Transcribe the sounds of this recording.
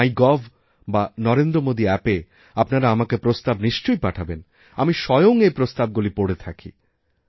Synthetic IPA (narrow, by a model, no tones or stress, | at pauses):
ajɡɔb | banɔɾend̪ɾomod̪iɛpe | apnaɾaamakepɾost̪abniʃt͡ɕojpaʈʰaben | amiʃɔjoŋejpɾost̪ab̚ɡulipoɽet̪ʰakʰḭ